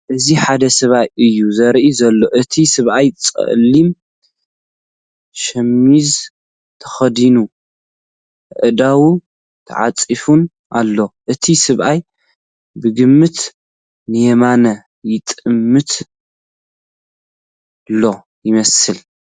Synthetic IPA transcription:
ʔɨziħad̪ɐsɐβajʔɨjːuzɐɾʔizɐlːo̞ʔɨt̪ʰisɨβʔajt͡sʼɐ̰ʔlim | ʃɐmːiz | t̪ʰɐ̥xɐd̪inu | ʔɨd̪awu | t̪ʰɐ̰ʕa̰t͡sʼifun | ʔa̰lːo̞ʔɨt̪ʰisɨβʔaj | bɨɡɨmːɨt̪ | nɨjemanɐ | jɪt̪ʼɨmːɨt̪ | lːo̞ | jɪmɐsɨl

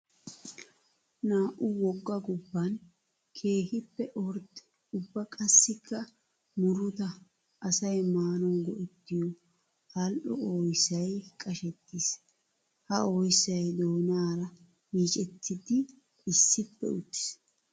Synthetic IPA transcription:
naːʔʊwɔɡːɐɡʊbːɐn | kʰe̞ːkɪpːɛʔɔɾ | ʊbːɐkʼɐsːɪkʰːɐ | mʊɾʊt̪ɐ | ʔːsɐjmaːnɔnɡɔʔɛt̪ːɪjɔ | hɐlʔɔ̰oːjsːɐjkʼɐʃɛt̪ːɪːs | hɐoːjsːɐjd̪oːnaːɾɐ | miːt͡ʃʼɛt̪ːɪd̪ɪ | ɪsːɪpːɛ̰ʊt̪ːɪ̥s

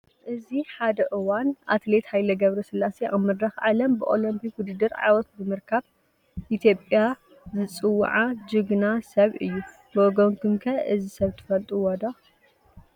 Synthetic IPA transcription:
ʔɨziħad̪ɐʔɨwanʔa̰t̪le̞t̪hajlɐɡɐβɾɐsɨlːaseʔamːɨd̪ɾɐxʕalɐmbɨʔolɐmpʰikwʊd̪ɨd̪ːɨɾʕa̰jwɔt̪̚bɨmɨɾkʰaβ | ʔit̪ʰjo̞pʼja | zɨt͡sʼɨw̰ːʕad͡ʒɨɡnasɐβʔɨjːu | boɡoŋkʰɨmkʰɐʔɨzisɐβt̪ʰɨ̥fɐlt̪ʼuwɐd̪a

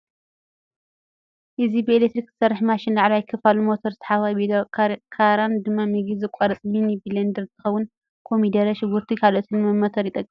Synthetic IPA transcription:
ʔɨzibɨelek̚t̪ɾikz̥ɨ̥sɐrːɨħmaʃɪnlaʕluajkʰɐfalumot̪ʰoɾɨt̪ʰɐ̥ħaβajbikʰaɾand̪ɨmːamiɡizɨkʷʼɐɾɐt͡sʼminibilɐnd̪ɐɾt̪ʰɨxɐwːʊn | kʰo̞mid̪ɐɾɐʃɪɡuɾt̪ʰikʰaloʔot̪ʰɨnmɐmːɐt̪ʰɐɾjɪt̪ʼɐkʼːi

